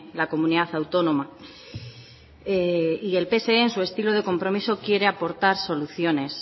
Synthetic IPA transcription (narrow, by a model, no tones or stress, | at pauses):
lako̞muniðaθawt̪o̞noma | eie̞lpe̞se̞eensue̞st̪iloð̞e̞ko̞mpɾo̞miso̞kje̞ɾe̞apo̞ɾt̪aɾso̞luθjo̞ne̞s